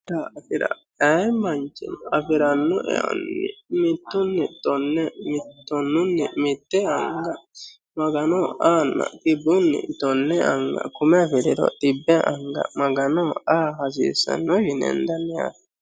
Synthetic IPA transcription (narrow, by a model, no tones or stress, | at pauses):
t̪aɐfɪɾɐ̰ | ɛjmɐnt͡ʃɛnɐfɪɾɐnːɔʔɛ̰ɐ̰nːɪmɪt̪ːʊnːɪt̪ɔnːɛmt̪ːɔnːʊnːɪmɪt̪ːɛɐŋɡɐ | mɐɡɐnɔaːnːɐ̰kɪbːʊnːɪ̰t̪ɔnːɛɐŋɡɐ̰kʊmɛɐfɪɾɛɾɔ̰t̪ɪbːɛʔɐŋɡɐ̰mɐɡɐnɔaːɦɐs̬ḭːsɐ̰nːɔʃɪnɛ̰nd̪ɐnːɛja̰t